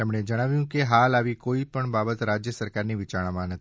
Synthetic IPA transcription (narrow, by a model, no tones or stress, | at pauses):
t̪emɳed͡ʒəɽ̃aʋjũkeɦalaʋikoipəɳbabət̪ɾad͡ʒjəsəɾkaɾniʋit͡ʃaɽ̃amãnət̪ʰi